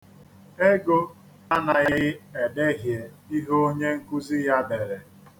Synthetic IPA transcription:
e˦ɡo˦ | a˦na˨ɣɪ˦e˨de˦ɦje˨ | i˦ɦo˦o˦ɲe˦ŋ̩˦ku˦zi˦ja˦be˨ɾe˨

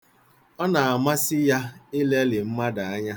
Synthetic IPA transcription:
ɔ˦na˨a˨ma˦sɪ˦ja˦ɪ˦le˦lɪ˨m̩˦ma˦da˨a˦ɲa˦

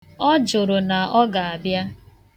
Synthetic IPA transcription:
ɔ˦d͡ʒʊ˨ɾʊ˨na˨ɔ˦ɡa˨a˨bja˦

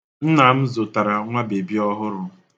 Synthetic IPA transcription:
n̩˦na˨m̩˦zo˨ta˨ɾa˨ŋʷa˦be˨bi˦ɔ˦ɦʊ˦ɾʊ˨

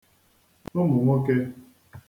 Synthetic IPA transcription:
nʊ˦mʊ˨ŋʷɔ˦ke˦

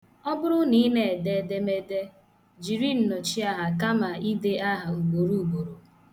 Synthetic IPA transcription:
ɔ˦bʊ˦ɾʊ˦ni˦ne˨e˨de˦˨de˦me˦de˦ | d͡ʒi˨ɾi˦n̩˨no˨t͡ʃi˦a˦ɦa˨ka˦ma˨i˦de˦ʔa˦ɦa˨u˨ɡ͡bo˨ɾu˦u˨ɡ͡bo˨ɾo˨

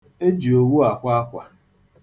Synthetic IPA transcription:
e˦d͡ʒi˨o˨wu˦a˨kʷa˦a˦kʷa̰˨

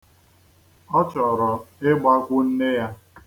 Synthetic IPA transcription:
ɔ˦t͡ʃɔ˨ɾɔ˨ɪ˦ɡ͡ba˦kʷʊ˦n̩˦ne˦ja˦

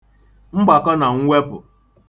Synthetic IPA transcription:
ŋ͡m̩˦ɡ͡ba˨kɔ˦na˨ŋ̩˦wʷe˦pʊ̰˨

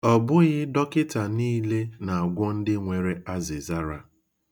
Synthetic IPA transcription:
ɔ˨bʊ˦ɣɪ˦dɔ˦kɪ˦ta˨niː˦le˦na˨a˨ɡʷɔ˦n̩˦dɪ˦ŋʷe˨ɾe˨a˦zɪ˨za˦ɾa˨

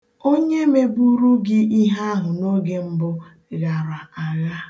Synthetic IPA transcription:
o˦ɲe˦me˦bu˦ɾu˦ɡɪ˦i˦ɦa˦ɦʊ˨no˦ɡe˦m̩˦bʊ˦ | ɣa˨ɾa˨a˨ɣa˦

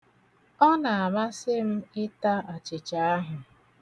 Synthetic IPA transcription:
ɔ˦na˨a˨ma˦sɪ˦m̩˦ɪ˦ta˦a˨t͡ʃɪ˨t͡ʃa˨a˦ɦʊ˨

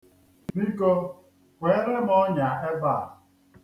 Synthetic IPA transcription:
ni˦kɔ˦ | kʷe˨˦ɾe˦m˦ɔ˦ɲa˨e˦ba˦˨

